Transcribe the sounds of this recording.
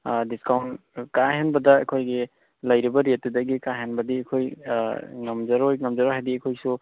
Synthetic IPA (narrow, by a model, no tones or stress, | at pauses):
diskawntkahenbɐdɐɐkʰojɡi | lɐjɾibɐɾet̚ːudɐɡikaɦenbɐdiɐkʰoj | ŋɐmd͡ʒɐɾojŋɐmd͡ʒɐɾojɦajdiɐkʰojsu